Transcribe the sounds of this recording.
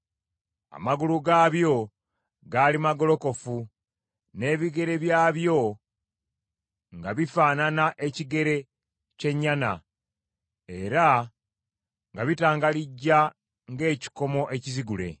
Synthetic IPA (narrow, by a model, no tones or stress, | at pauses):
a̰maɡuluɡaːβjo̞ | ɡaːlimaɡo̞lo̞ko̞fu | ne̞ːβiɡe̞ɾe̞βjaːβjo̞ | ŋɡaβifaːnanaʔe̞ciɡe̞ɾe̞ | ce̞ɲːana̰ | e̞ɾa | ŋɡaβitaːŋɡaliɟːa | ŋɡe̞ːci̥ko̞mo̞ʔe̞ciziɡule̞̰